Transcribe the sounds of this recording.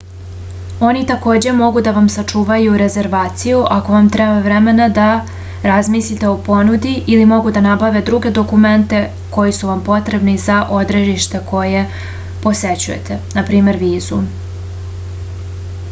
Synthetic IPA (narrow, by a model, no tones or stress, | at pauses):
o̞nit̪ako̞ːd͡ʑe̞mo̞ɡud̪aʋamsat͡ʂuːʋajuɾe̞ze̞ɾʋaːt̪sijuʔako̞ʋamt̪ɾebavɾeme̞nad̪a | ɾazmislit̪e̞opo̞nud̪iʔilimo̞ɡud̪anabaʋe̞d̪ɾuɡe̞d̪o̞kume̞nt̪e̞ | ko̞jisuʋampo̞t̪ɾe̞bnizaʔo̞d̪ɾeʒiʃt̪e̞kʰo̞je̞ | po̞se̞t͡ɕujḛt̪enapɾiːme̞ɾʋiːzu